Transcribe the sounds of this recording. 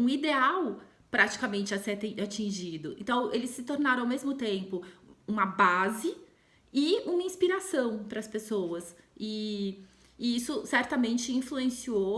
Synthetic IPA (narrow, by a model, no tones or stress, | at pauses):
ũid̪eaw | pɾat͡ʃi̥kamẽnt͡ʃɪaset̪ẽat͡ʃĩʒid̪ʊẽnt̪ɐ̃w̃elɪsːɪt̪oɾnaɾɐ̃awmezmʊt̪ẽmpʊũmɐbazɪ | ɪũmɐĩspiɾasɐ̃w̃pɾɐspesowɐsɪː | isʊsɛɾt̪ɐmẽnt͡ʃɪĩfluẽsio